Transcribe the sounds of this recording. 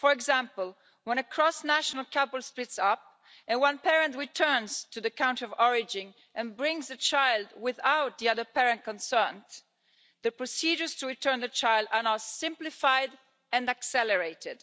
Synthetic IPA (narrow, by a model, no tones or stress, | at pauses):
fɔɹɛɡzãmpəl | wɛ̃nəkʰɹɔsnæʃɔnalkʰabəlsplɪtsap̚ | ɛ̃nwãnpɛɹɛ̃ntɹitʰɜ˞nst̪uðəkãw̃ntɔvɔɹɪd͡ʒĩn | ʔɛ̃nbɹɪ̃ŋzət͡ʃajld̪wɪðawt̪̚d̪iʌðə˞pɛɹɛ̃nt̚kɔ̃nsɜ˞n | ðəpɹɔsid͡ʒə˞stuɹit̪ʰɜɹnðət͡ʃajlˠd̪aɹnasɪ̃mplifajd | ɛ̃ndaksɛləɹeɪtɪd̥